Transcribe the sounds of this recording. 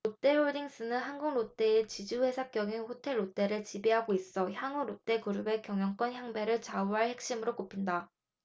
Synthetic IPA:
ɾot͈e̞oɭdiŋs͈ɯnɯnɦanɡuŋɾot͈e̞et͡ɕid͡ʑuɸwe̞sʰak͈jʌɡinɸotʰe̞ɭːot͈e̞ɾɯɭt͡ɕibiɦaɡois͈ʌçjaŋuɾot͈e̞kuɾube̞kjʌŋjʌŋk͈wʌnçjaŋbe̞ɾɯɭt͡ɕauɦaɭhe̞k̚ɕ͈imɯɾok͈opʰinda

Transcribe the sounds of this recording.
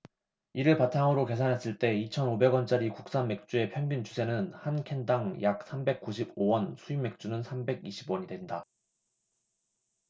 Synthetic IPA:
iɾɯɭpatʰaŋɯɾoke̞sʰanɦe̞s͈ɯɭt͈e̞it͡ɕʰʌnobe̞ɡwʌnt͡ɕ͈aɾikuk̚s͈anme̞k̚t͡ɕ͈ue̞pʰjʌŋɡint͡ɕʰusʰe̞nɯnhankʰendaŋjak̚s͈ʰambe̞k͈̚uɕʰibowʌnsʰuimːe̞k̚t͡ɕ͈unɯnsʰambe̞ɡiɕʰibwʌɲidwe̞nda

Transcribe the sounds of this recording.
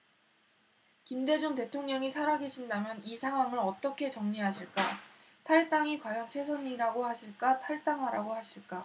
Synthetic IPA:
kimde̞d͡ʑuŋte̞tʰoŋɲʌŋisʰaɾaɡe̞ɕʰindamjʌnisʰaŋwamɯɾʌt͈ʌkʰe̞t͡ɕʌŋɲiɦaɕʰiɭk͈a | tʰaɭt͈aŋikwajʌnt͡ɕʰe̞sʰʌɲiɾaɡohaɕʰiɭk͈atʰaɭt͈aŋɦaɾaɡohaɕʰiɭk͈a

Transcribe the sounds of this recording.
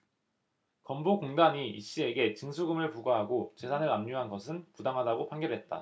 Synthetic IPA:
kʌmbokoŋdaɲiḭɕ͈ie̞ɡe̞t͡ɕɯŋsʰuɡɯmɯɭpuɡaɦaɡot͡ɕe̞sʰanɯɾamɲuɦanɡʌsʰɯnpudaŋɦadaɡopʰaŋɡjʌbɦe̞t̚t͈a̰

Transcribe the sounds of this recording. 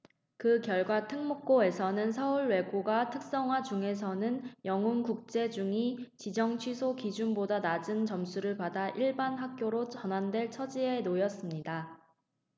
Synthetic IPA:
kɯkjʌɭɡwatʰɯŋmok̚k͈oe̞sʰʌnɯnsʰʌuɭwe̞ɡoɡatʰɯk̚s͈ʌŋɦwad͡ʑuŋe̞sʰʌnɯnjʌŋunkuk̚t͡ɕ͈e̞d͡ʑuŋit͡ɕid͡ʑʌŋt͡ɕʰwɥisʰokid͡ʑunbodanad͡ʑɯnt͡ɕʌmsʰuɾɯɭpadaʔiɭbanɦak̚k͈joɾot͡ɕʌnandwe̞ɭt͡ɕʰʌd͡ʑie̞nojʌs͈ɯmɲida

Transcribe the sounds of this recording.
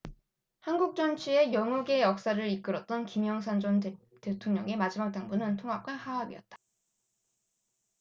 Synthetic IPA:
hanɡuk̚t͡ɕ͈ʌnt͡ɕʰie̞jʌŋuɡe̞jʌk̚s͈aɾɯɾik͈ɯɾʌt̚t͈ʌnkimjʌŋsʰand͡ʑʌn | te̞tʰoŋɲʌ̰ŋemad͡ʑimak̚t͈aŋbunɯntʰoŋɦap̚k͈ahaabḭʌ̰t̚t͈ḁ

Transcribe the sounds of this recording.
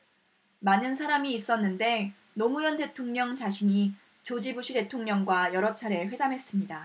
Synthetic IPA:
manɯnsʰaɾamiːs͈ʌnːɯnde̞ | nomujʌnde̞tʰoŋɲʌŋt͡ɕaɕʰiɲi | t͡ɕod͡ʑibuɕʰide̞tʰoŋɲʌŋɡwajʌɾʌt͡ɕʰaɾeɸwe̞damɦe̞s͈ɯmɲida

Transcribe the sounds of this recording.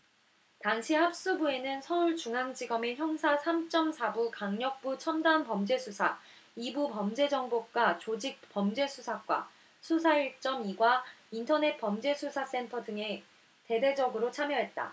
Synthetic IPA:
taŋɕʰihap̚s͈ubue̞nɯnsʰʌuɭt͡ɕuŋɦaŋd͡ʑiɡʌme̞çjʌŋsʰasʰamt͡ɕ͈ʌmsʰabukaŋɲʌk̚p͈ut͡ɕʰʌmdanpʌmd͡ʑe̞sʰusʰa | ibupʌmd͡ʑe̞d͡ʑʌŋbok͈wat͡ɕod͡ʑik̚p͈ʌmd͡ʑe̞sʰusʰak͈wa̰ | sʰusʰaiɭt͡ɕ͈ʌmiɡwaintʰʌne̞t̚pʌmd͡ʑe̞sʰusʰas͈e̞ntʰʌdɯŋe̞ | te̞de̞d͡ʑʌɡɯɾot͡ɕʰamjʌɦe̞t̚t͈a̰

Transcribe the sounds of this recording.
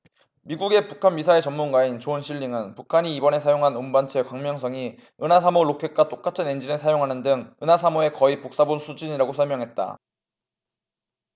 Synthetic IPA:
miɡuɡe̞pukʰanmisʰaiɭt͡ɕʌmmːunɡwaint͡ɕoɯnɕʰiʎːiŋɯnpukʰaɲiːbʌne̞sʰajoŋɦanombant͡ɕʰe̞kwaŋmjʌŋsʰʌŋi | ɯnas̬ʰamoɭokʰek̚k͈at͈ok͈̚atʰɯnend͡ʑinɯɭsʰajoŋɦanɯndɯŋɯnasʰamoe̞kʌipok̚s͈abonsʰud͡ʑiɲiɾaɡosʰʌɭmjʌŋɦe̞t̚t͈a̰

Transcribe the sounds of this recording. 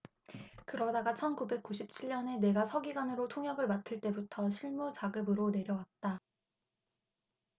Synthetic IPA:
kɯɾʌdaɡat͡ɕʰʌnkube̞k͈̚uɕʰip̚t͡ɕʰiɭɲʌne̞ne̞ɡasʰʌɡiɡwanɯɾotʰoŋjʌɡɯɭmatʰɯɭt͈e̞butʰʌɕʰiɭmut͡ɕaɡɯbɯɾone̞ɾjʌwat̚t͈a

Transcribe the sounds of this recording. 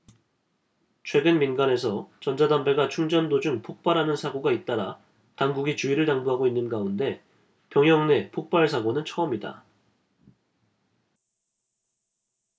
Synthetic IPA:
t͡ɕʰwe̞ɡɯnminɡane̞sʰʌt͡ɕʌnd͡ʑadambe̞ɡat͡ɕʰuŋd͡ʑʌndod͡ʑuŋpʰok̚p͈aɾɦanɯnsʰaɡoɡait̚t͈aɾa | taŋɡuɡit͡ɕuiɾɯɭtaŋbuɦaɡoinːɯnɡaunde̞ | pjʌŋjʌŋne̞pʰok̚p͈aɭs̬ʰaɡonɯnt͡ɕʰʌʌmida̰

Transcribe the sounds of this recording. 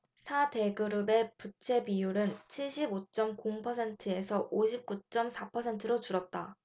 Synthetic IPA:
sʰate̞ɡɯɾube̞put͡ɕʰe̞pijuɾɯnt͡ɕʰiɭɕ͈ʰibot͡ɕ͈ʌmkoŋpʰʌsʰe̞ntʰɯe̞sʰʌʔoɕʰip̚k͈ut͡ɕ͈ʌmsʰapʰʌsʰe̞ntʰɯɾot͡ɕuɾʌt̚t͈a

